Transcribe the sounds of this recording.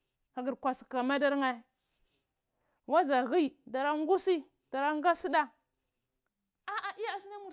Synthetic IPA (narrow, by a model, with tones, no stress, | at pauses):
ka˨ɡi˨ɾkʷa˨si˨ka˨ma˦da˦ɾŋa˦˨ | wa˦za˨ɣi˦da˨ɾa˦ŋ˦ɡu˦si˦ | d̥a˨ɾa˦ŋɡa˦si˦da˦ | a˦ʔa˨ʔi˦ja˦a˨si˦na˦mu˨